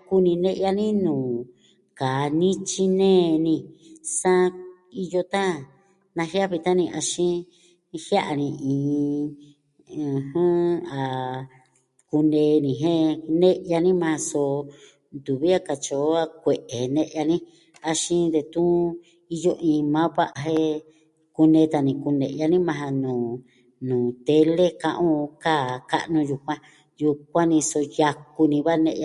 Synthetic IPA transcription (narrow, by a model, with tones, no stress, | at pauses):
ku˦nĩ˧nẽ˦ʔja˧nĩ˦nũː˨ | ka˨nĩ˦t͡ʃi˦nẽː˦˧nĩ˧sã˦˧ | i˧jo˧t̪ã˦ | nã˧hja˦βi˧t̪ã˦nĩ˧ʔa˧ʃĩ˦˧ | hja˦ʔa˧nĩ˧ʔĩː˨˧ | hũ˦a˨ | ku˧nẽː˧nĩ˨ɦẽ˦nẽ˦ʔja˧nĩ˦mã˧so˧ | nd̪u˨βi˦a˦ka˨t͡ʃo˨˦a˧kʷe˨ʔe˨nẽ˦˧ʔja˧nĩ˦ | a˧ʃĩ˦nd̪e˧t̪ũ˦ | i˧jo˧ʔĩː˧mãː˦βʷa˦ʔa˧ɦe˦ | ku˧nẽ˧˦t̪a˧˨nĩ˧ku˧nḛ̃˨˧ʔja˧nĩ˦mã˧ɦa˧nũː˨ | nũː˨t̪e˧˦le˦kã˧ʔõ˦˧kaː˦˨ka̰˦˧ʔnũ˧ju˧kʷã˧ | ju˧k̚ʷã˦nĩ˧so˧ja˧ku˧nĩ˧βa˦nḛ̃˧ʔa˧